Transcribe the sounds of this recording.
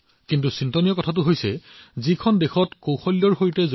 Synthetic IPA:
kintusintɔnijɔkɔtʰatʊɦojsɛ̰zikʰɔndexɔtkõwxɔljɔɹxoɹtɛzo

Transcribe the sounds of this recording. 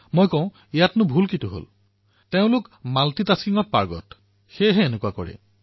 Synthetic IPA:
mojkɔʊ̃ | ijatnʊbʱulkitʊɦo̰l | teʊ̃lʊkmaltitaskiŋɔt̚pa̰ɹɡɔ̰t | xejɦɛenekuwakɔɹɛ̰

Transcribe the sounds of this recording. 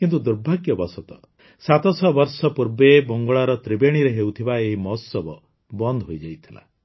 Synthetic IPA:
kint̪ud̪uɾbʱaɡjɔbɔsɔt̪ɔ | sat̪ɔsɔbɔɾsɔpuɾbebɔŋɡɔɭaɾɔt̪ɾibeɽ̃iɾeɦeut̪ʰibaeɦimɔɦɔsɔbɔ | bɔnd̪ʱɔɦojd͡ʒajt̪ʰila̰

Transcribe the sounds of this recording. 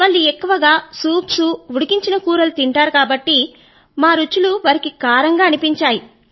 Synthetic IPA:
ʋɐɭːiekːuʋɐɡaːsuːpsuuɽukiɲt͡ʃinɐkuːɾɐlut̪iɳʈaːɾukaːbɐʈːi | maːɾut͡ʃːuluʋɐɾikikaːɾɐŋɡaːɐnipiɲt͡ʃaːji

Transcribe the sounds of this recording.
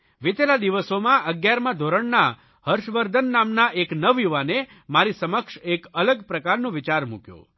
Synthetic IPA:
ʋit̪elad̪iʋəsomãʔəɡjaɾmãd̪ʱoɾəɳna | həɾʃʋəɾd̪ʱənːamnaʔeknəʋjuʋane | maɾisəməkʃekələɡpɾəkaɾnũʋɪt͡ʃaɾmṵkjo̰

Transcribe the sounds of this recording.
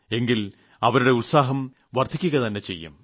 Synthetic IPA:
e̞ŋɡil | ɐʋɐɾuɽe̞utsaːɦɐm | ʋɐrd̪ʰʱikʲːuɣɐt̪ɐnːe̞t͡ɕe̞̰jːṵm

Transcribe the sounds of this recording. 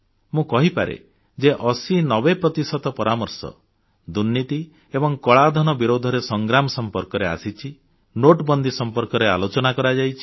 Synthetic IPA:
mũkɔɦipa̰ɾḛ | d͡ʒeʔɔsinɔbepɾɔt̪isɔt̪ɔpɔɾamɔɾsɔ̰ | d̪unːit̪i | ebɔŋkɔɭad̪ʱɔnɔbiɾod̪ʱɔɾesɔŋɡɾamɔsɔmpɔɾkɔɾea̰sit͡ʃʰi | noʈbɔnd̪ʱisɔmpɔɾkɔɾea̰lot͡ʃɔnakɔɾad͡ʒajt͡ʃʰi̥

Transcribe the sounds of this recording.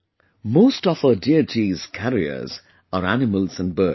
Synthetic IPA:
moʊstɔfədiətʰiz̥kʰæɹiə̰z̥ | əɹænɪməlˠzə̃nbɜː

